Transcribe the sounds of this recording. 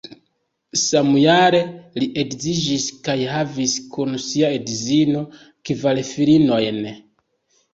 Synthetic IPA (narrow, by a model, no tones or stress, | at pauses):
samujaɾe̞liʔeɡzid͡ʒiskajɦaviskunsiaedizino̞ | kivalefilino̞jn